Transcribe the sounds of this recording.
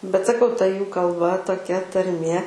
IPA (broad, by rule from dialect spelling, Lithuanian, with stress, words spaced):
bʲɛt sɐˈkɐʊ tɐ ˈjuː kɐlˠˈbɐ toːˈkʲɛ tɐrʲˈmʲeː